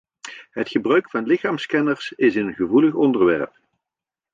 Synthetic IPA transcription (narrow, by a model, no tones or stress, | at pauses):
ɦətχəbrœɥkfɑnlɪχaːmskɛnəɹsɪsɪnnχəvuləχɔndəɹʋɛɹp